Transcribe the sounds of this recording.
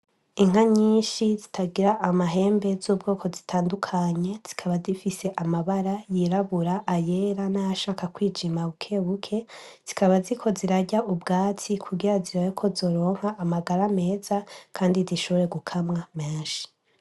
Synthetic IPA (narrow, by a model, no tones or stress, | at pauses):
iŋ̥aɲiːnʃizitʰaɡiɾaʔːmaɦe̞ːmbe̞zuːb̚ɡo̞ːkʰo̞zitʰaːndukʰaɲe̞z̥i̥kʰaβazifise̞ʔamaβaɾajiɾaβuɾaʔːje̞ːɾanajaʃaːkakwiːd͡ʒimaukʰe̞ːβukʰe̞z̥ikaβazikʰo̞ziɾaɟaubɡaːt͡sikʰuɡiɾaziɾawekʰo̞zo̞ːɾo̞ːŋ̥haʔːmaɡaɾame̞ːzakʰaːndiziʃo̞βoɾe̞ɡukʰamŋameːnʃi̥